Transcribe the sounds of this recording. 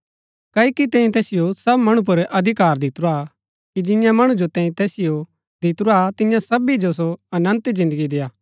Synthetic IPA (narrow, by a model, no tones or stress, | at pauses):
kɐːikit̪ɛ̃ːĩt̪ɛːsɪjosɐbmɐɽ̃ũp̬ʊɾʔɐd̪ʱɪkaːɾd̪ɪt̪ɾa | kid͡ʒɪ̃jãmɐɽ̃ũd͡ʒot̪ɛ̃ːĩt̪ɛːsɪjo | d̪ɪt̪ʊɾuat̪ɪ̃jãsɐbid͡ʒos̬oɐnə̃nt̪zɪ̃nd̪əɡid̪eːaː